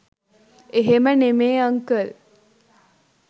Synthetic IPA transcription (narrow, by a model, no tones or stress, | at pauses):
eɦemənemeːɐŋkəl